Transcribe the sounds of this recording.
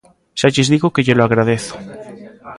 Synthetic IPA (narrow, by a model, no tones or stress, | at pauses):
ʃat͡ʃezðiɣokeʝeloaɣɾað̞eθo̥